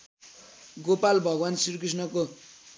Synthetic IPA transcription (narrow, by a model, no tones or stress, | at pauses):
ɡopalbʱʌɡwansiɾk̬ris̬nʌko